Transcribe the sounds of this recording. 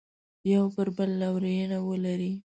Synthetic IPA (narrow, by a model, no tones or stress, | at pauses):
jawbəɾbəlːawɾejənawəlaɾi